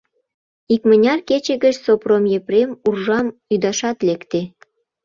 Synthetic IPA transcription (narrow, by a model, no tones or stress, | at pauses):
ikmənʲɑrket͡ɕĕɣət͡ɕsopromjepɾemurʒɑmyd̪ɑʃɑt̪lekt̪e